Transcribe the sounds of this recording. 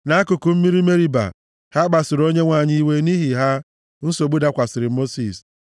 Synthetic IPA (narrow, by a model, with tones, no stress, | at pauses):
na˦kʊ˨kʊ˨m̩˦mi˦ɾi˦me˦ɾi˦ba̰˨ | ha˦ɡ͡ba˨sɪ˨ɾo˦ɲe˦ŋʷa˨ɲɪ˦i˦we˦ni˦ɦi˨ɦa˦ | n̩˦so˨ɡ͡bu˦da˦kʷa˨sɪ˨ɾɪ˨mo˦si˨s